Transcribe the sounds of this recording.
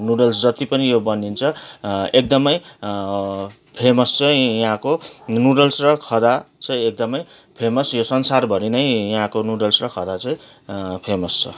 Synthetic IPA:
nuɽʌlsd͡zʌt̪ipʌnijobʌnint͡sʰʌek̚d̪ʌmʌj | pʰemʌst͡sʌj̃jʌɦãkonuɽʌlsrʌkʰʌd̪at͡sʌ̃j̃ek̚d̪ʌmʌj | pʰemʌsjosʌnsarbʱʌɾinʌjjɦãkonuɽʌlsrʌkʰʌd̪at͡sʌ̃ĩ | pʰemʌst͡sʰʌ

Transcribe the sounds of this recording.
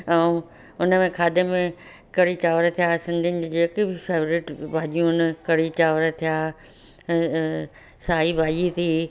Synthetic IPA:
ɛ̃ | ʊnəmẽkʰaːd̪ɪm̃ | kɐɽit͡ɕaːʋəɾt̪ʰijaːsɪ̃nd̪ʱɪnɪ̆d͡ʑd͡ʑeːkibɪfeːʋɾɪʈbʱaːʄijũnəkɐɽit͡ɕaːʋɾt̪ʰijaː | saːɦibʱaːʄit̪ʰiː

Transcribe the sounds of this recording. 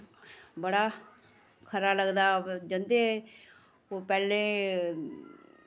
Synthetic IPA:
bəɽaː | kʰəɾaːləɡd̪aːd͡ʒə̃nd̪eː | oːpɛːlẽː

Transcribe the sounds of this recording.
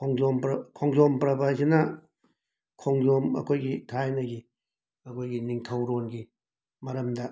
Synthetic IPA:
kʰoŋzompɾkʰoŋzompɾɐbɐjzinɐ | kʰoŋzomɐ̰kʰojɡitʰajnɐɡi | ɐkʰojɡiniŋtʰɐwɾonɡi | mɐɾɐmdɐ

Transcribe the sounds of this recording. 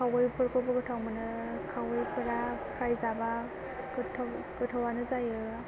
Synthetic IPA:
awɯjpʰɯɾkʰɔbɯkɯtʰawmanɯkʰawɯjpʰɯɾapʰajzaba | kɯtʰakɯtʰawanɯzajɯ

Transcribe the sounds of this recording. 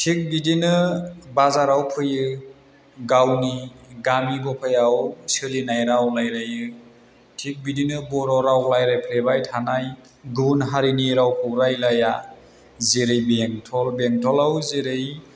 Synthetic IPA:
tʰik̚bidinɯbazaɾawpʰɯjɯ | ɡawniɡamiɡɔpʰajawsɯlinajɾawlajɾajɯ | tʰik̚bidinɯbɔɾɔɾawlajɾajpʰlebajtʰanaj | ɡunɦaɾiniɾawpʰɯwɾajlaja | zeɾejbeŋtʰɔlbeŋtʰɔlawzeɾej

